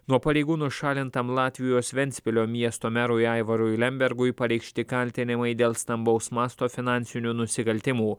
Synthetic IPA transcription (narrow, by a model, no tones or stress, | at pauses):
nuɔpɐɾʲɛɪɡuːnʊʃɑːlʲɪnt̪ɐmlˠɑːt̪ʲʋʲɪjoːsʋʲɛnʲt̪sʲpʲɪlʲoːmʲiɛst̪oːmʲæɾʊjɑɪʋɐɾʊɪlʲɛmʲbʲɛɾɡʊɪpɐɾʲɛɪkʃʲt̪ʲɪkɐlʲt̪ʲɪnʲɪmɐɪd̪ʲeːlˠst̪ɐmbɐʊsmɑːst̪oːfʲɪnɑˑnʲsʲɪnʲuːnʊsʲɪkɐlʲt̪ʲɪmuː